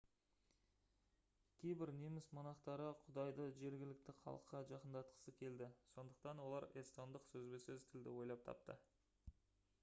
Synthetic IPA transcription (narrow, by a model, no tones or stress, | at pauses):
kʲʰe̞jbɪɾnemɪsmɑnɑqt̪ɑɾəqʰʊd̪ɑjd̪əʒe̞ɾɡʲɪlɪk̚t̪ɪqʰɑ̰lˠəqːɑʒɑqənd̪ɑt̪̚qə̥səkʲʰe̞ld̪ɪso̞nd̪əq̚t̪ɑnwo̞lˠɑɾest̪ond̪əqsɵzbesɵzt̪ʰɪld̪ɪwo̞jlˠɑp̚t̪ʰɑ̰pt̪ə̰